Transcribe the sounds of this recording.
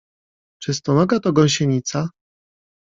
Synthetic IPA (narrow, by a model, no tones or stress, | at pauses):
t͡ʂɘst̪ɔnɔɡat̪ɔɡɔ̃w̃ɕeɲit̪sa